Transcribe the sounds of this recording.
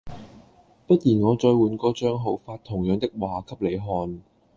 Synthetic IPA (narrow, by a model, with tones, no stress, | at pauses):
pɐ˥t̚jiː˨˩nŋɔː˨˧t͡ʃɔː˧jwuː˨˧nkɔː˧t͡ʃœː˥ŋɦo˨˥wfaː˧t̪ʰːʊ˨˩ŋjœː˨˧ŋt̪ɪ˥k̚waː˨kʰɐ˥p̚le˨˧jɦɔː˧n